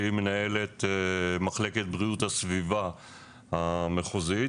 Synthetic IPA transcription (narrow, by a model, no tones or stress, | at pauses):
ime̞nae̞le̞t̪maχle̞ke̞t̪̚bʁiuthasviva | hameχozi